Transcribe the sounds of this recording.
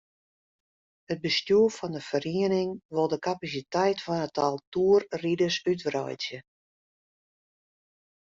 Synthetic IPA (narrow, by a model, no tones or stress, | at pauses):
ət̚bəstjuəfɔndəfəriənɪŋʋolˠdəkapas̬itɛjtfɔnətʰalˠtuərridəsytʋrɔ̰jtjə